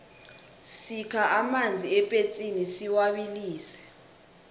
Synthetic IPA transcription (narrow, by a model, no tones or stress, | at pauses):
sikʰaʔamand͡zʱiɛpʼet͡sʼinisiwaɓiliːsɛ̥